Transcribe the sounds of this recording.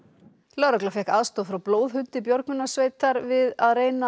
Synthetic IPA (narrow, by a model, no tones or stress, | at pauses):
lœɾaklafɛhkaðst̪oːðfɾawploːwðhʏnt̪ɪpjɔɾknʏnːasveːjt̪aɾvɪðaðreːjna